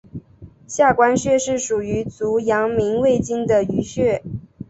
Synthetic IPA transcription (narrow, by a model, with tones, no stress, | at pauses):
ɕja˥˩kwa˥nɕɥɛ˥˧ʂɻ̩˥˩ʂu˨˩y˧˥t͡su˧˥jɑ˧˥ŋmi˧˥nwe˥˩ɪt͡ɕi˥ŋd̪ə˨y˧˥ɕɥɛ˥˩